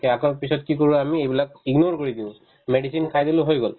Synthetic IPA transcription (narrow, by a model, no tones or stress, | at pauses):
kɛakɔpisɔtkikoɹũamiejbilak̚iɡnɔɹkoɹid̪iʊ̃ | meɖisinkʰajd̪ilʊɦojɡɔl